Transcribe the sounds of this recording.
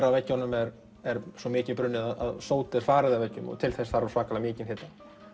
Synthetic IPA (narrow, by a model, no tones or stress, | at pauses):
ɾavɛcːanːʏmɛɾ | ɛɾsɔmɪːcɪpɾʏnːɪðaða̰ðsoːwt̪ɪɾ̥faːɾɪðavɛcːʏmɔ̰t̪ʰɪlθɛsθaɾaɾsvaːkalamɪːcɪnhet̪a